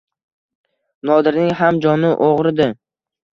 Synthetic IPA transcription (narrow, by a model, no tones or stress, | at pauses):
nɒd̪ɪɾnɪŋɦamd͡ʒɒnɪʔoʁɾɪd̪ɪ